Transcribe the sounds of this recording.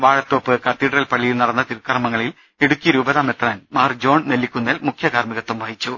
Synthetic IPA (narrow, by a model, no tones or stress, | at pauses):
ʋaːɻɐt̪ːoːpːɨkɐt̪ːiːʈrɐlpɐɭːijilnɐɽɐnːɐt̪iɾkːɐrmɐŋːɐɭil | eɽukʲːijɐɾuːbɐðaːmet̪rɐːnmaːrd͡ʑo̞ːɳnelːikʲːunːɐlmukʰjɐɣaːrmiɣɐt̪ːumʋɐjit͡ɕːu